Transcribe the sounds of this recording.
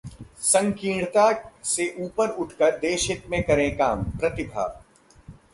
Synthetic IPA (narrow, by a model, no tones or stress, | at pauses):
sɐ̃ŋkĩːɽt̪aseʔuːpəɾʊʈʰkəɾd̪eːʃɪt̪mẽkɐɾẽkaːmpɾɐt̪ɪbʱa̰ː